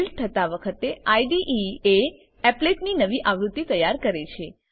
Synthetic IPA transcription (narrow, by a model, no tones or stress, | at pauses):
lt̪ʰət̪aʋəkʰət̪eaiɖiʔie | ɛpleʈninəʋiʔaʋɾut̪ːit̪əjaɾkəɾet͡ʃʰe